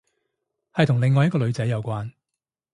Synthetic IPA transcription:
hɐ˨jt̪ʰʊ˨˩ŋlɪ˨˧ŋːɔː˨jɐ˥kɔː˧lɵ˨˧ɥt͡sɐ˨˥jːɐ˨˧wkʷaː˧n

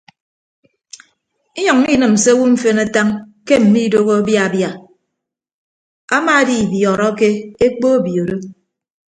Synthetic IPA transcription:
i˦ɲɔ˨ŋ˦i˦nɨ˨m̩˨se˦wu˦ɱ̩˦fe˦na˦ta˦ŋ | ke˦m̩˨mi˦do˦ɣo˦a˦bja˦a˨bja˨ | a˦ma˦˨a˦di˨bjɔ˨ɾɔ˦ke˦e˦k͡po˦o˦bjo˨ɾo˦

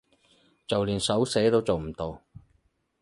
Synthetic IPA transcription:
t͡sɐ˨wliː˨˩nsɐ˨˥wsɛː˨˥t̪o˧wt͡so˨wm̩˨˩t̪o˨˧w

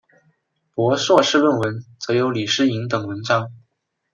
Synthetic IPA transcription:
pwɔ˧˥swɔ˥˧ʂɻ̩˥˧wə˥˩nwə˧˥nt͡sɤ˧˥jo˧˥ʊli˨˩ʂɻ̩˥i˧˥ŋt̪ɤ˨˩ŋwə˧˥nʈ͡ʂɑ˥ŋ

